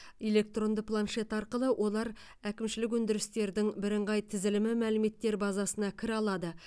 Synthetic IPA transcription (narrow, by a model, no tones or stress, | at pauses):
e̞le̞k̚t̪ro̞nd̪əplˠanʃe̞t̪ɑɾqəlˠəwʔo̞lˠɑɾ | ækʲɪmʃɪlɪk̬wɵnd̪ɪɾɪst̪e̞ɾd̪ɪŋbɪɾɪɴʁɑjt̪ʰɪzɪlɪmɪmælɪme̞t̪ːe̞ɾbɑzɑsənɑkʲʰɪɾɑlˠɑd̪ə